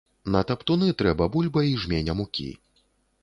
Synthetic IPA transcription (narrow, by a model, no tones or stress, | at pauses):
nɐt̪ɐpt̪unɨt̪ɾɛbɐbulʲbɐiʐmʲenʲɐmukʲḭ